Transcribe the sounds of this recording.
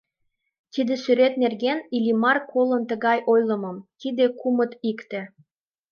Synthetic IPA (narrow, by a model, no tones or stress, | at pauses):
t̪id̪ĕsyɾet̪nerɣenilʲimɑrkʰolənt̪əɣɑjʔojlə̆məmt̪id̪ekumət̪ikt̪ĕ